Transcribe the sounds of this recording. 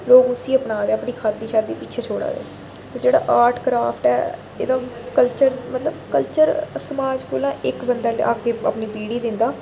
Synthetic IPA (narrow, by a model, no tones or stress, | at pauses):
loːɡʊsĩːəpnaːd̪eːəpɳiːkʰaːt̪ːiːʃaːd̪iːpɪtːt͡ʃʰeːt͡ʃʰoːɽa̰ːd̪ḛː | t̪eːd͡ʒeːɽa̰ːʔaːɾʈkɾaːpʰʈɛː | ḛːd̪ãːkəlt͡ʃəɾmət̪ləbkəlt͡ʃəɾsəmaːd͡ʒkoːlãːɪkbənd̪əːl̰ːaːɡeːə̰pniːpiːɽiːd̪ɪnd̪aː